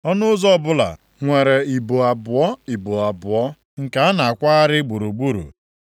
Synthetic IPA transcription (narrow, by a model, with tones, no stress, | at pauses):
ɔ˦nʊ˦zɔ˦bʊ˦la̰˨ | ŋʷe˨ɾe˨i˨bu˨a˨bʊ˨ɔ˦i˨bu˨a˨bʊ˨ɔ˦ | ŋ̩˨ka˨a˦na˨a˨kʷa˦a˦ɾɪ˦ɡ͡bu˨ɾu˨ɡ͡bu˦ɾṵ˨